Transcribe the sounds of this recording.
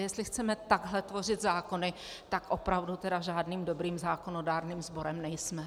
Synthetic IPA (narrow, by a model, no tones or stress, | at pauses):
jɛst̪lɪxt͡sɛmɛt̪aɡɦlɛt̪vo̞r̝ɪd̪zaːko̞nɪ | t̪akʔopɾavdut̪ɛdaʒaːdniːmdo̞bɾiːmzaːkonodaːɾniːmzbo̞ɾɛmnɛjsmɛ